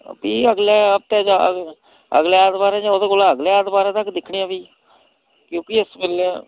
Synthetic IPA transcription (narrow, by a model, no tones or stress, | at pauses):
piːəɡlɛːəp̚t̪ɛːd͡ʒa̰ | ə̰ɡlɛːaːd̪baːɾɛ̃ːd͡ʒãːoːd̪eːkolaəɡleːaːd̪baːɾɛ̃ːt̪əkːd̪ɪkʰɳiːãːbiː | kjõːkɪɪsmɪle